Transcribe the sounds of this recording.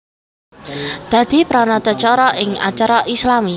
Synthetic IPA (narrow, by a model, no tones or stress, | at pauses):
d̪̥ä̤d̪̥i̤pɾɔnɔt̪ɔt͡ʃɔɾɔʔɪŋa̰t͡ʃaɾɔʔislami